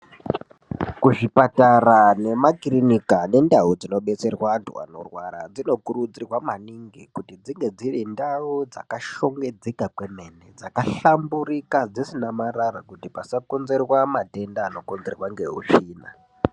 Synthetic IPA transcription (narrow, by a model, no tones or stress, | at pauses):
kuʐipatarane̞makrinikane̞ndaud͡zino̞ɓe̞t͡se̞rwantwa̰no̰rwa̰ɾa̰d͡zino̞kurud͡zirwamaniŋɡikutid͡ziŋɡe̞d͡zirindaud͡za̰kaʃo̞ŋɡe̞d͡zekakwe̞me̞ne̞d͡zakaɬamburikad͡zisinamaɾaɾakutipasakonze̞rwamate̞ndaːno̞konzerwaŋɡe̞ɦṵʂiːna̰